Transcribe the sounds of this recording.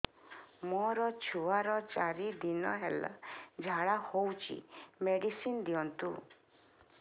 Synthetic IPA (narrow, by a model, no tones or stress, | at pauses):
mɔɾɔt͡ʃʰuaɾɔt͡ʃaɾid̪inɔɦela̰d͡ʒʱaɭahowt͡ʃʰḭmeɽisind̪iɔnt̪u